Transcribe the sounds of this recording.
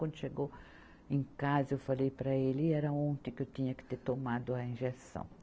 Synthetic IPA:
wɐ̃nd̪ʊʃeɡo | ẽŋkazɐewfalejpɾɐelɪːɛɾɐ̃õnt̪ɪ̃kɪewt̪ĩɲɐkɪ̥t̪eɾt̪omad̪ʊɐĩʒesɐ̰̃w̃

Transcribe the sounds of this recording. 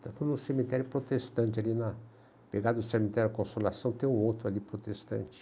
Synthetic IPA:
t̪at̪ud̪ʊnʊsemit̪ɛɾjʊpɾot̪est̪ɐ̃nt͡ʃɪalinɐ | peɡad̪ʊʊsemit̪ɛɾʊɐkõsolasɐ̃w̃t̪ẽj̃ũowt̪ɾʊalipɾot̪est̪ɐ̰̃nt͡ʃɪ̥

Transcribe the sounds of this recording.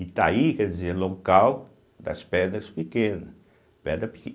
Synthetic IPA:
it̪aikɛd̪izelõkaw | d̪ɐ̰spɛɾd̪ɐspikẽnɐ | pɛɾd̪ɐpi̥k

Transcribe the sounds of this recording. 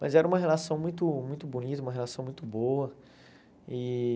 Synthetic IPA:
mɐ̰zɛɾɐũmɐɦelasɐ̃w̃mũj̃t̪ʊmũj̃t̪ʊbunit̪ɐũmɐɦelasɐ̃w̃mũj̃t̪ʊboɐ | i

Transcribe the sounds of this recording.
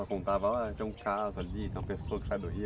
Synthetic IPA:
ɔkõnt̪avɐɔɐt̪ẽũkazʊalit̪ẽw̃ɐpesoɐkɪ̥sad̪oɦi

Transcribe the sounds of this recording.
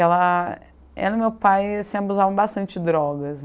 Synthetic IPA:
ɛlɐ | ɛ̰lʊmewpajsĩabuzavɐ̃w̃bast̪ɐ̃nt͡ʃɪd̪ɾɔɡɐs

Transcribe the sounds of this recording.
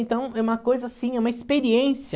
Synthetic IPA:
ẽnt̪ɐ̃w̃ɛũmɐkojzɐasĩɛũmɐispeɾiẽsiɐ

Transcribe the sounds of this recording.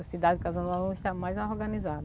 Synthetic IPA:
ɐsid̪ad͡ʒɪkazɐ̃nanɐ̃iʃt̪amajzaoɾɡɐ̃nizad̪

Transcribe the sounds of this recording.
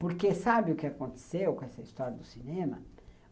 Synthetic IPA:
poɾkesabɪʊkɪakõnt̪e̥sewkõɛsɐist̪ɔɾjɐd̪ʊsinẽmɐ̰

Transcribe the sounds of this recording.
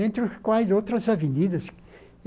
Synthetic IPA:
ẽnt̪ɾʊskwajzowt̪ɾɐzavenid̪ɐs

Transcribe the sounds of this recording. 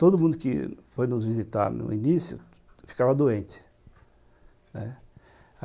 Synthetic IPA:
t̪od̪ʊmũd̪ʊkɪ̰fojnʊzvizit̪a̰ɾnʊ̰̃inisjʊ̰ | fi̥kavɐd̪oẽnt͡ʃɪ̥ | nɛ

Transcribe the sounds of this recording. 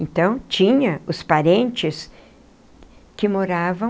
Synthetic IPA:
ẽnt̪ɐ̃w̃t͡ʃĩɲɐʊspaɾẽnt͡ʃɪs | kɪmoɾavɐ̃

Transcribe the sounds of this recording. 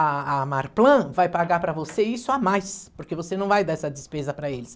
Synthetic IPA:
aamaɾplɐ̃vajpaɡaɾpɾɐvoseisʊamajspoɾkevosenɐ̃w̃vajd̪aɛsɐd͡ʒɪspezɐpɾɐelɪs

